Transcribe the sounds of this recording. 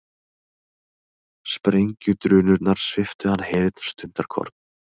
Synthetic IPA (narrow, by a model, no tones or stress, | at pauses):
spɾejɲcʏt̪ɾʏːnʏɾnaɾ̥svɪft̪ʏhanːheːjɾɪt̪̚n̥st̪ʏnt̪aɾ̥kʰɔ̰ɾ̥p̪n